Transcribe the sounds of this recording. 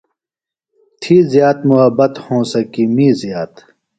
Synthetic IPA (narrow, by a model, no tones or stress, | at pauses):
t̪ʰiːzjaːt̪muɦɐbɐt̪hõːsɐkiːmiːzjaːt̪